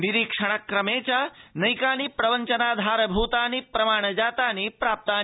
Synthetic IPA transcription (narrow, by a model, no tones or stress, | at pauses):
niɾikʂɐɽ̃ɐkɾɐmeːt͡ʃanɐjkaːnipɾɐʋənt͡ʃɐnaːd̪ʱaːɾɐbʱuːt̪aːnipɾɐmaːɳ̃d͡ʒaːt̪aːnipɾaːp̚t̪aː